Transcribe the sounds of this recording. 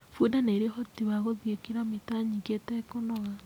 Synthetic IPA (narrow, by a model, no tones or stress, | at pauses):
fuodaneeɾehotiβaɣoðjekiɾametaɲiɡetɛkonɔɣa